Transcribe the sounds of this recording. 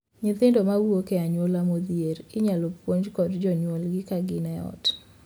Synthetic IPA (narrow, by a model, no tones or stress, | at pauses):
ɲɪt̪ɪndomawwokɛaɲwolamod̪jeɾɪɲalɔpwoɲd͡ʒkɔdd͡ʒɔɲwolɡɪkaɡɪnɛɔ̰t